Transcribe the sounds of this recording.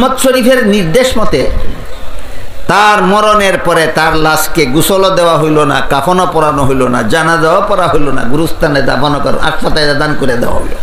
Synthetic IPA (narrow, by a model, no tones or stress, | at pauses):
mɔt̪ʃoɾifʰeɾniɾd̪eʃmɔt̪e | t̪aɾmɔɾoneɾpɔɾet̪aɾlaskeɡusolod̪eoaɦojlona̰kafʰonopɔɾanoɦojlona̰d͡ʑanad̪eoapɔɾaɦojlona̰ɡuɾust̪ʰaned̪a̰bɔnokaɾo̰na̰ʃpat̪aeɾad̪ankoɾed̪ḛwa̰ɦo̰jlo̰